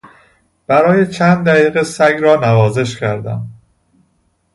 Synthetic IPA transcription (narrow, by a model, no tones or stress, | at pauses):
b̥æɾɒːje̞t͡ʃʰænd̪̚d̪æɣiːɣesæɡɾɒːnævɒːze̞ʃcʰæɾd̪æ̰m